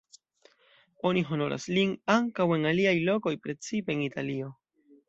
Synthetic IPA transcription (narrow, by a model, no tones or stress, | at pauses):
o̞niɦo̞no̞̰ɾʔa̰sliŋaŋkawe̞ŋaliajlo̞ko̞jpɾe̞t͡sipe̞ːŋitalio̞